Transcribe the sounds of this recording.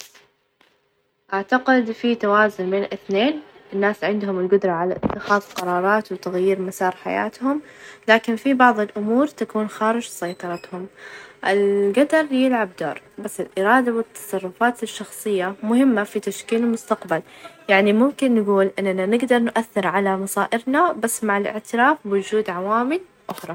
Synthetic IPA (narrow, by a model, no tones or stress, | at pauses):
ʔaʕt̪aqɪd̪fit̪awaːzʊnbeːnlʔɪθneːnʔɪnːaːsʕɪnd̪hʊmɪlɡʊd̪ɾˤɑʕala̰ʔɪt̪ːɪxɑːðˤqɑɾˤɑːɾˤɑːt̪wt̪aɣjiːɾmasɑːɾˤħa̰ja̰ːt̪hʊmlaːkɪnfibɑʕðˤɪlʔʊmuːɾt̪akuːnxaːɾɪd͡ʒsɑjt̪ˤɑɾˤɑt̪hʊmʔɪlɡad̪ɑɾˤjɪlʕabd̪o̰ːɾˤbasːɪlʔɪɾɑːd̪awɪt̪ːɑ̥sˤɑrˤːʊfaːt̪ɪʃːɑxsˤɨjːamʊhɪmːafit̪aʃkiːlɪlmʊst̪aqbaljaʕnimʊmkɪnːɡuːlʔɪnːananɪɡd̪ɑɾˤnʔaθːɪɾʕalamɑsˤɑːʔɪɾnabasːmaʕɪlʔɪ̰ʕt̪ɪɾaːfbwʊd͡ʒuːd̪ʕawaːmɪl | ʔʊxɾˤɑ